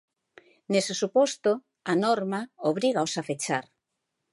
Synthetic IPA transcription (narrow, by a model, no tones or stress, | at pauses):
nesesupɔst̪o | anɔɾmaoβɾiɣaosafet͡ʃaɾ